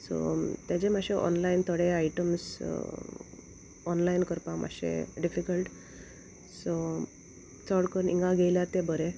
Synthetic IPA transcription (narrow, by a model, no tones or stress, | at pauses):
so̰t̪jat͡ɕemaɕeʔɔ̰nlaint̪ʰəɽeaiʈəms | ɔnlainkəɾpamʔa̰ɕḛɖifikəlʈ | so | t͡səɽkəɾnḭŋɡaɡʱejljat̪ebəɾe